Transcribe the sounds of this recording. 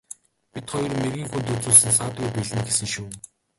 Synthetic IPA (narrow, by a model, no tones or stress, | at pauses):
pʲit̪χɔjɞ̆rmerɣʲiːŋxunt̪ɵt͡suːɮsɘ̆nsaːt̪ɡujpiɮɘ̆nɡesɘ̆ŋʃuː